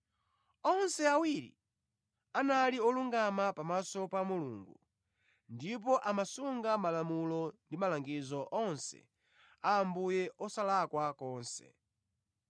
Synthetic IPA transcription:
ɔnsɛawiɾḭ | analiɔluŋɡamapamasɔpamulṵŋɡu | ndip̬ɔʔamasuŋɡamalamulɔndimalaŋɡizɔʔɔnsɛ̰ | aːmbujɛʔɔsalakwakɔːnsɛ̰

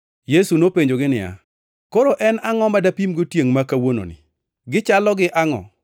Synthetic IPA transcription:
jesunopeɲd͡ʒoɡɪnɪja̰ | koɾoʔɛnaŋɔmadapimɡotjeŋmakawono̰nɪ̰ | ɡɪt͡ʃalɔɡɪʔaŋɔ̰

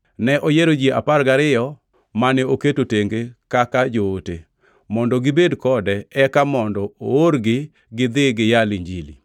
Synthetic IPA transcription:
nɛʔojeɾod͡ʒieʔa̰parɡaɾɪjɔ | manɛoketoteŋɡekakad͡ʒootḛ | mɔndɔɡɪbedkɔdɛɛkamɔndɔooɾɡɪ | ɡɪd̪ɪɡɪjaliɲd͡ʒilḭ

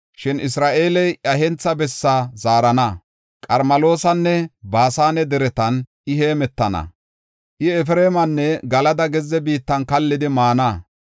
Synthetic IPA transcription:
ʃɪnɪs̬ɾaːʔe̞ːlɛjʔɐɦɛnt͡sːɐbɛsːɐzaːɾɐnɐ | kʼɐɾmɐlo̞ːsɐnːɛbaːsaːnɛd̪ɛɾɛt̪ɐnʔɪheːmɛt̪ːɐnɐ̰ | ʔɪɛfɾeːmɐnːɛɡɐlɐd̪ɐɡɛzːɛbiːt̪ːɐnkɐlːɪd̪ɪmaːnɐ

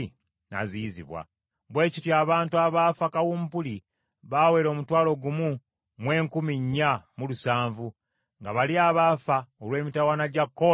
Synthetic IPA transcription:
na̰zizḭβwa̰ | βwe̞ːcitjaːβaːntuaβaːfakawuːmpuli | βaːwe̞ːɾo̞ːmutwaːlo̞ɡumu | mwe̞ːŋkumiɲːamulusaːɱvu | ŋɡaβaliaːβafaolwe̞ːmitawanaɟakːo

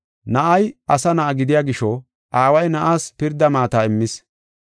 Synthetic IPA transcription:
nɐʔɐjʔɐsɐnɐʔɐɡɪd̪ɪjaːɡɪʃɔ | ʔaːwɐjnɐʔaːspɪɾd̪ːɐmaːt̪aːɪmːɪs

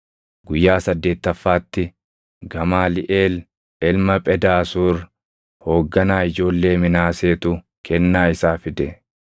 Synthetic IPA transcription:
ɡʊjːaːsɐd̪ːe̞ːt̪ːɐfːaːt̪ːɪ | ɡɐmaːlɪʔeːl | ɛlmɐpʼɛd̪aːsuːɾ | ho̞ːɡːɐnaːɪd͡ʒo̞ːlːe̞ːmɪnaːseːt̪ʊ | kʰɛnːaːɪsaːfɪd̪ɛ

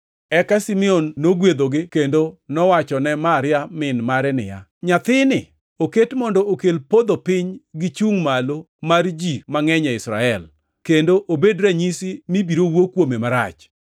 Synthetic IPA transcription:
ɛkasimɪɔnːoɡwed̪oɡɪkendonɔwat͡ʃɔnɛmaɾɪamɪnmaɾɛnɪ̰ja̰ɲat̪ɪnɪ | oketmɔndɔokelpod̪opɪɲɡɪt͡ʃuŋmalo | mard͡ʒimaŋɛɲɛɪsɾa̰ɛl | kendoʔobedɾɛɲisɪmibiɾowokːwomemaɾa̰t͡ʃ

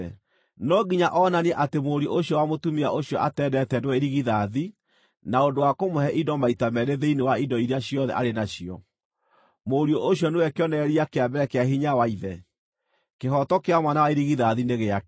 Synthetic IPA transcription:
nɔɡiɲaʔɔnaniɛʔatemoɾioʔoɕjɔwamotumiaʔoɕjɔʔatɛːdɛtɛdwɛeɾiɣiðaði | naondowakomohɛʔidɔmaitamɛɾeðeinewaidɔiɾiaɕijɔðɛ̰ʔa̰ɾenaɕiɔ̰ | moɾiɔʔoɕjɔnewɛkeɔnɛɾiakeabɛɾɛkeahiɲawaiðɛ | keɦɔtɔkeamwanawaeɾiɣiðaðineɣea

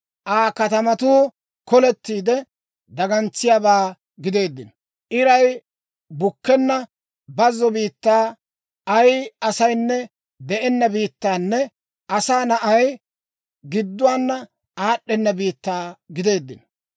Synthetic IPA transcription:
ʔaːkɐt̪ɐmɐt̪uː | kɔlɛt̪ːiːd̪ɛ | d̪ɐɡɐnt͡sːɪjabaː | ɡɪd̪e̞ːd̪ːɪn | ʔɪɾɐj | bʊkːɛnːɐ | bɐzːɔbiːt̪ːaː | ɐjɐsɐjnːɛ | d̪ɛʔɛnːɐbiːt̪ːaːnːɛ | ɐsaːnɐʔɐj | ɡɪd̪ːʊwaːnːɐ | aːɗːɛnːɐbiːt̪ːaːɡɪd̪e̞ːd̪ːɪ̰n

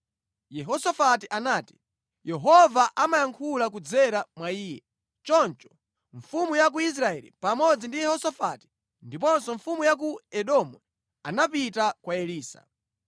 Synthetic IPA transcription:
jɛɦɔsafatiʔanaːti̥ | jɛɦɔvaʔamajaŋkʰulak̬ud͡zɛɾamwaiːjɛ | t͡ʃɔnt͡ʃɔ̥ | ɱfumujak̬uis̬ɾaɛlḭpamɔd͡zindijɛhɔsafati̥ | ndipɔnsɔɱfumujak̬uɛɗɔmɛ | anapitakwaɛliːsa̰

